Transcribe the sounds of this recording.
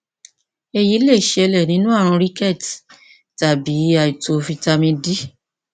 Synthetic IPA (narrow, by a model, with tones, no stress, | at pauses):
e˧ji˨˦le˦˨ʃe˧lɛ˨nĩ˦nũ˦a˦˨ɾ̃ã˧ɾi˦kɛ˦˨t | ta˨bi˨˦a˧˨i˨to˧fi˧ta˧mĩ˧di˦